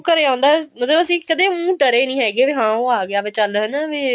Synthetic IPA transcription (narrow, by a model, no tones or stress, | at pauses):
kəɾeːãːnd̪aːməd̪eːbəsiːkəd̪eːmũːʈəɾeːnĩːɦɛːɡeːʋeɦãːoːaːɡeaːpeːt͡ʃəlɦənaʋeː